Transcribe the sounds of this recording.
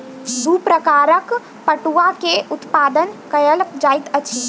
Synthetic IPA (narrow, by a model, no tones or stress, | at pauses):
supɾəkaːɾək | pəʈuakeʔut̪paːd̪ənkəjəlkd͡ʒajt̪ət͡ʃʰi